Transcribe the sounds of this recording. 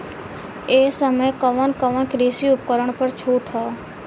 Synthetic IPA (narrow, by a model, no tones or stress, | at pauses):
eːsəməjkəʋənkəʋənkɾisiʊp̚kəɾəɳ̃pəɾt͡ʃʰuːʈʰɦɔː